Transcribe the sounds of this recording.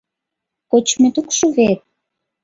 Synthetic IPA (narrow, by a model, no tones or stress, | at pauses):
kot͡ɕmĕt̪ukʃuβet̪̚